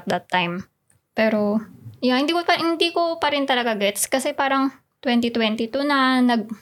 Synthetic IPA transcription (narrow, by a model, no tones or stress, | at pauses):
t̪̚d̪ɐt̪ːajm | pɛːɾo̞joŋhɪnd̪iːkopɐhɪnd̪iːkopɐɾɪnt̪ɐlɐɡaɡɛt̪skɐsɛpaːɾɐŋ | t̪wɛnt̪it̪wɛnt̪it̪ʊnɐnɐɡ̚